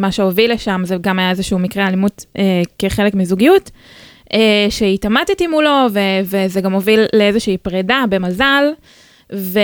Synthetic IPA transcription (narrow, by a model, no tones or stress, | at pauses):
maʃeovilːeʃamzeɡamajaezeʃuumikʁealimudekeχe̞lekmizuɡijut | eʃeitamatetimulo̞vevezeɡamo̞vilːee̞zeʃiiːpʁedabe̞mazal | ve